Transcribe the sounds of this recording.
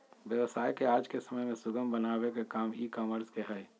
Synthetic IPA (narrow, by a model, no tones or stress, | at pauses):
ʋjəʋəsaːjkeaːd͡ʒkesəməjmẽsʊɡəmbənaːʋekekaːmiːkɔːməɾskeɦɛː